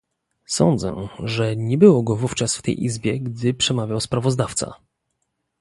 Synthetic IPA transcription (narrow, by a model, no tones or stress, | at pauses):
sɔ̰nd̪zɛ̰ʐɛɲɛbɘwɔɡɔvuft͡ʂasft̪ɛ̰jʔḭzbʲjɛɡd̪ɘpʂɛmavʲjawspɾavɔzd̪aft̪sa̰